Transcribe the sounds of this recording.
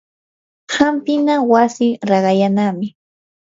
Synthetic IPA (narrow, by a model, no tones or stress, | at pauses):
hampɪnawasɪɾɑɢɑjanamɪ